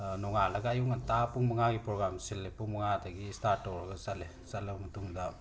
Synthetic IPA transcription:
nɔŋalɐɡaajuŋatapuŋmɐŋaɡipɾoɡɾamsilːek̚puŋmɐŋadɐɡistaɾtɔɾɡɐsale | salɐmutuŋda

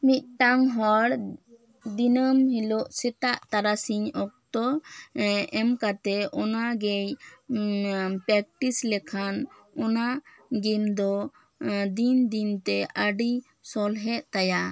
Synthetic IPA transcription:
mit̪̚ˀʈaŋɦɔɽ | d̪inəmɦilɔʔsɛt̪aʔt̪aɾasiɲɔk̚t̪ɔ | ɛmkat̪ɛʔɔnaɡɛj | pɾɛk̚ʈislɛkʰanɔnaɡimd̪ɔ | d̪ind̪int̪ɛʔəɖi | sɔlɦɛʔt̪aja

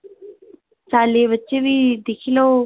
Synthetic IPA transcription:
t͡ʃaːleːʋət͡ɕeʋid̪ekʰilo

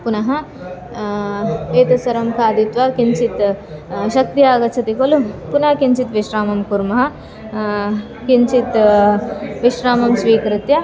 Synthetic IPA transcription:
punɐɦɐ | eːt̪ɐsɐɾɐmkʰaːd̪it̪ʋɐkint͡ʃit̪ʃɐk̚t̪ijaːɡɐt͡ʃʰɐt̪ikolupunɐɦɐkiɲt͡ʃit̪ʋiʃɾaːmɐmkuɾmɐɦɐ̆ | kiɲt͡ʃit̪ | ʋiʃɾaːmɐmsʋiːkɾit̪jɐ

